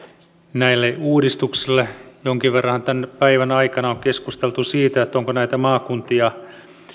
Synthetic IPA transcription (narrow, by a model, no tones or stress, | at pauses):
næilːeuːdist̪uksilːejoŋkiʋʋerːɑhɑnt̪ænpæiʋænɑikɑnɑoŋkeskust̪elt̪usiːt̪æet̪ːoŋkonæit̪æmɑːkunt̪iɑ